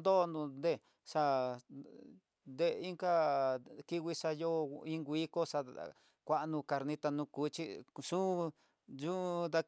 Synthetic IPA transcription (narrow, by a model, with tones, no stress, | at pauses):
d̪o˦˧nd̪ũ˧nd̪e˧˨ | ʂa˧ | nd̪e˦˧i˦ŋka˦ki˦wʷi˦˧ʂa˧jo˦˧ĩ˦ŋɡʷi˦ko˦ʂa˧ | kʷa˦˧ʔnũ˧ka˧ɾnĩ˦t̪a˧nũ˧kuː˨˦t͡ʃi˦ʂũ˦˧ | ʒu˦˧d̪a˧